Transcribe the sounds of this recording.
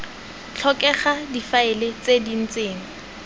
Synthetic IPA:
t͡ɬʰɔkʼɛχadifaɪlɪt͡sedin̩t͡seːŋ̩

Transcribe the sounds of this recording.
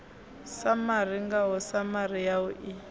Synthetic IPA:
samar̤iŋɡaɦɔsamar̤ijaʊʔi

